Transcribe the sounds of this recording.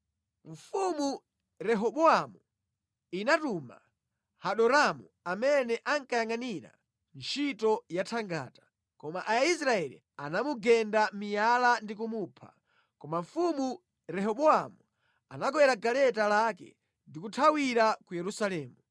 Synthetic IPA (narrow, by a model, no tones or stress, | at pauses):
ɱ̩fumu | ɾɛɦɔɓɔamu | inatuma̰ | haɗɔɾamuamɛnɛʔaŋkajaŋaniɾa̰ | nt͡ʃʰitɔjatʰaŋɡa̰ːtḁ | kɔmaʔais̬ɾaɛlḭ | anamuɡɛndamijalandik̬umupʰa̰ | kɔmaɱfumu | ɾɛɦɔɓɔamu | a̰naɡɔwɛɾaɡalɛtalakɛ̰ | ndikutʰawiɾakujɛɾusalɛːmu